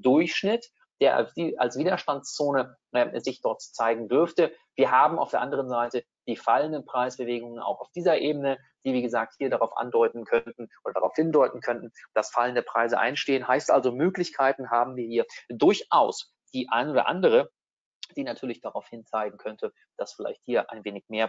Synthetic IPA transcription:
d̥ʊɐçʃnɪt | d̥eːɐa̰̥ia̰lsv̥iːdɐʃtantst͡soːnə | ʔɛzɪçd̥ɔɐtt͡saɪɡŋ̩dʏɐftə | v̥iːɐɦaːbm̩a̰ʊfd̥eɐʔandəʁ̞ənzaɪtə | d̥iːfaləndənpʁ̥aɪsb̥əveːɡʊŋəna̰ʊxaʊfd̥iːzɐʔeːbənə | d̥iːviːɡəzaːk̚thiːɐɾaʁaʊfʔa̰ndɔʏtn̩kʰœntn̩ʔoːdɐda̰ʁa̰ʊfhɪndɔʏtn̩kʰœntn̩d̥asfaləndəpʁ̥aɪzəʔa̰ɪnʃteːənɦaɪstʔa̰lzomøːklɪçkʰaɪtn̩ɦaːbm̩viːɐhiːɐdʊɐçʔaʊs | d̥iːʔa̰ɪnoːdɐ̰ʔa̰ndəʁ̞ə | d̥iːnatʰyːɐlɪçd̥aʁaʊfhɪnt͡saɪɡŋ̩kʰœntʰə | d̥asfɪla̰ɪçthiːɐʔa̰ɪnveːnɪçmeːɐ

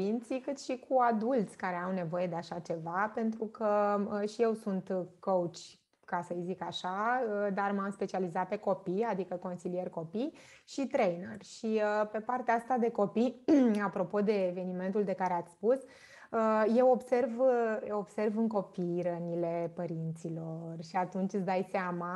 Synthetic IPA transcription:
int̪sikɨt̪ʃikʰuad̪ult̪sʲkaɾeawne̞vo̞je̞d̪e̞aʃat͡ʃe̞vape̞nt̪ɾukəəʃije̞wsunt̪kout͡ʃʲ | kasəjzikaʃaəd̪armamspe̞t͡ʃializat̪̚pe̞ko̞pijad̪ikəko̞nsilije̞rko̞pij | ʃit̪ɾejnerʃiəpe̞part̪eaast̪ad̪e̞ko̞piapɾo̞po̞d̪e̞ːve̞nime̞nt̪uld̪e̞kaɾeat̪sʲspus | əje̞wo̞bse̞rvob̥se̞rvɨŋko̞pijɾənile̞pəɾint̪silo̞rʃiat̪unt͡ʃʲɨsd̪ajseama

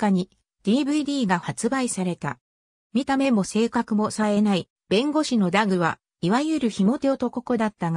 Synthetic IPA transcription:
kaɲ̟i | d̪̥ʲiːbɯ̟id̪ʲiːɡahat͡sɨbaisaɾe̞t̪a̰ | mʲit̪ame̞mo̞se̞ːkakɯ̟mo̞sae̞nai | b̥ẽ̞ŋɡo̞ɕino̞d̪aɡɯ̟β̞a̰ | iβajɯ̟ɾɯ̟çimo̞t̪e̞ot̪o̞ko̞kod̪at̪ːaɡa

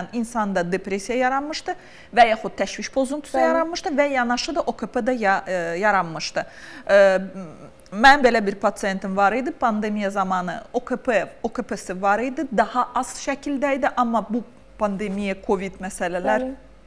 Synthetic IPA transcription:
ninsɑnd̪ɑd̪epɾesijajaɾanmɯʃt̪ɯ | vɛjaxut̪̚t̪ʰːɛʃviʃpʰo̞zunt̪ʰu̥sujaɾanmɯʃt̪ɯvɛjɑnɑʃɯd̪aʔokʰepʰed̪ɛjaɾanmɯʃt̪ɯ | mænbe̞lʲɛbiɾpʰat̪sijent̪ʰimvɑɾɯjd̪ɯpʰand̪emijazɑmɑnɯ̰okʰepeokʰepʰesivɑɾɯjd̪ɯd̪ɑhɑʔɑz̥ʃɛcʰilʲd̪æjd̪iʔɑmːabu | pʰand̪emijɛkʰo̞vid̪mɛsɛlelæɾ

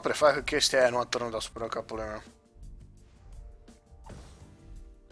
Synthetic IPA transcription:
pɾefakkəkʲest̪iajanuat̪əɾnut̪asu̥pɾakapulema

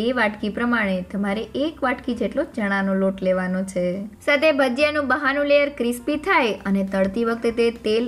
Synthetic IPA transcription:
eʋaʈkipɾəmaɽ̃et̪əmaɾeʔekʋaʈkid͡ʒeʈlod͡ʒəɽ̃ãnoloʈleʋanot͡ʃʰesat̪ʰebʱəd͡ʒjənũbəɦanũleəɾkɾɪspit̪ʰajənet̪əɭt̪iʋək̚t̪et̪et̪el

